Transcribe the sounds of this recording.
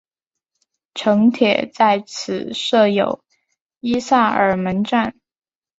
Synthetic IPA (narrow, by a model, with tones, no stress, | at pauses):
ʈ͡ʂʰɤ˧˥ŋt̪ʰjɛ̰˨˩t͡sa˥˩ɪt͡sʰɹ̩˨˩ʂɤ˥˩jo˨˩ʊ | i˥sa˥˩ə̰˞˨˩mə˧˥nʈ͡ʂa˥˩n